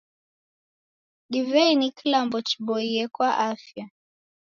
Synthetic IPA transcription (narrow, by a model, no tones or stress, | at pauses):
ɗivɛinikilambɔt͡ʃi̥ɓɔiɛkwaʔafja